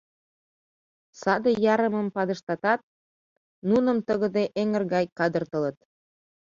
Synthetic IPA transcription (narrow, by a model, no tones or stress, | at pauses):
sɑd̪ejɑɾəmə̆mpɑd̪əʃt̪ɑt̪ɑt̪̚ | nunə̆mt̪əɣə̆d̪eʔeŋərɣɑjkɑd̪ə̆rt̪ə̆lə̆t̪